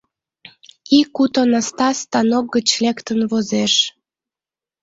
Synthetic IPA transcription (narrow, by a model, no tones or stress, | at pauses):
ikːut̪onɑst̪ɑst̪ɑnok̚ɡət͡ɕlekt̪ənβozeʃ